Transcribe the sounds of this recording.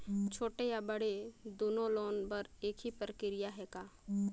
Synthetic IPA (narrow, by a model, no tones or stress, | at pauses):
t͡ʃʰoːʈejabəɽed̪oːnõloːnpəɾeːkʰɦipɾəkɪɾɪjaɦɛːkaː